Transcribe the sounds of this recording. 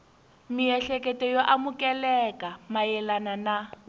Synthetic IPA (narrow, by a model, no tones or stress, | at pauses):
miɛɬɛkɛtɛjoʔamukɛlɛkamajɛlanana